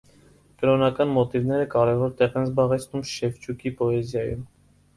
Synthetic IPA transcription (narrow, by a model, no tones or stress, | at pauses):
kəɾɔnɑkɑnmɔt̪ivnɛɾəkɑɾɛvɔɾt̪ɛʁɛnzbɑʁɛt͡sʰnumʃɛft͡ʃʰukipɔɛzjɑjṵm